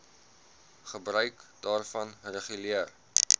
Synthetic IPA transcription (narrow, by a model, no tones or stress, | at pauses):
χəbrœɥkdɑːrfɐnrəχyliər